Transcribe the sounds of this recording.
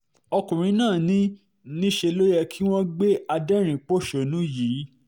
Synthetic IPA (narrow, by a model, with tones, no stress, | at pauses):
ɔ˧kũ˨ɾ̃ĩ˨˧˦nãː˦˨nĩ˦ | nĩ˦ʃe˧lo˦jɛ˧kʰi˦w̃ɔ̃˦ɡ͡be˦a˧dɛ˦ɾ̃ĩ˨k͡po˦˨ʃo˨nũ˦jiː˨˦